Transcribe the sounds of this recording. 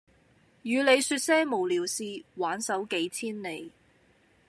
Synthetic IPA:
jyː˨˧le˨˧jsyː˧t̚sɛː˥mo˨˩wliː˨˩wsiː˧waː˨˥nsɐ˨˥wke˨˥jt͡sʰiː˥nne˨˧j

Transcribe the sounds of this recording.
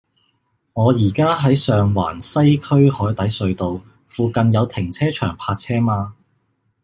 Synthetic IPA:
ŋɔː˨˧jiː˨˩kaː˥ɦɐ˨˥jsœː˨ŋwa̰ː˨˩nsɐ˥jkʰɵ˥ɥhɔː˨˥jt̪ɐ˨˥jsɵ˨˧ɥt̪o˨w | fuː˨˧kɐ˨njɐ˨˧wt̪ʰɪ˨˩ŋt͡sʰɛː˥t͡ʃʰœː˨˩ŋpʰaː˧t̚t͡sʰɛː˥maː˧

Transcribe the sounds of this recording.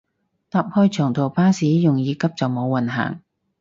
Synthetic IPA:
t̪aː˨˧p̚hɔː˧jt͡ʃʰœː˨˩ŋt̪ʰo˨˩wpaː˥siː˨˥jʊ˨ŋjiː˨˧kɐ˥p̚t͡sɐ˨wmo˨˧wːɐ˨nɦa̰ː˨˩ŋ

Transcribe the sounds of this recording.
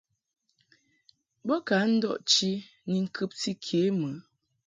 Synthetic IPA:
bɔ˦ka˨˦n̩˦dɔ̰˦ʔt͡ʃi˦ | ni˨ŋ̩˨kʰɨ˦p̚ti˦kʰe˨˦mə˨˦

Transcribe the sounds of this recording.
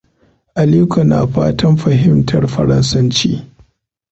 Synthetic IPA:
ʔa˨lu˦kɐ˨na̰ː˨ɸa̰ː˦tʰɐ˦mɸɐ˨ɦɪ˦mtʰɐ˨rɸɐ˨ɾɐ˦nsɐ˦nt͡ʃiː˦

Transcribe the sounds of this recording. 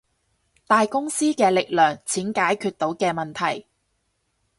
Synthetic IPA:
t̪aː˨jkʊ˥ŋsiː˥kɛː˧lɪ˨k̚lœː˨˩ŋt͡sʰiː˨˥nkaː˨˥jkʰyː˧t̪̚o˨˥wkɛː˧mɐ˨nt̪ʰɐ˨˩j

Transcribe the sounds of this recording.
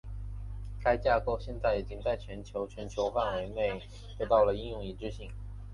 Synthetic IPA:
ka˥ɪt͡ɕja˥˧ko˥˧ʊɕjɛ˥˧nt͡sa˥˩ɪi˨˩t͡ɕi˥ŋt͡sa˥˩ɪt͡ɕʰɥɛ˧˥nt͡ɕʰjo˧˥ʊt͡ɕʰɥɛ˧˥nt͡ɕʰjo˧˥ʊfa˥˩nwe˧˥ɪne˥˩ɪ | t̪e˥˧t̪ɑ˥˩ʊlə˩i˥˧njʊ˥˩ŋi˨˩ʈ͡ʂɻ̩˥ɕi˧˥ŋ

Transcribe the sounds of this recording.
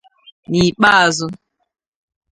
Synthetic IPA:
ni˨k͡pa˦a˨zʊ˦

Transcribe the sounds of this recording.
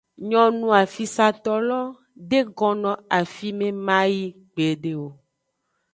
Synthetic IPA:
ɲɔ̃˨nũ˦a˨fi˨sa˨t̪ɔ˦lɔ˦ | ɖe˦ɡɔ˨nɔ̃˨a˨fi˦mẽ˦mã˦ji˦ | ɡ͡be˨ɖe˨wo˨

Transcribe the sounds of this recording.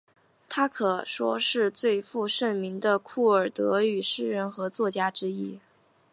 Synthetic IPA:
t̪ʰa˥kʰɤ˨˩ʂwɔ̰˥ʂɻ̩˥˧t͡swe˥˧ɪfu˥˧ʂə˥˩nmi˧˥ŋd̪ə˧kʰu˥˩ə˞˨˩t̪ɤ˧˥y˨˩ʂɻ̩˥ɻə˧˥nxɤ˧˥t͡swɔ˥˩t͡ɕja˥ʈ͡ʂɻ̩˥i˥

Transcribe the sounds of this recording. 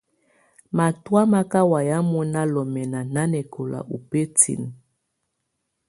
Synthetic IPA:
ma˨twa˦ma˦ka˦wa˨ja˦mɔ˦na˦lɔ˨mɛ˨na˨na˦nɛ˨kʰɔ˨la̰˨ʔu˨pe˦tʰḭ˨n˨

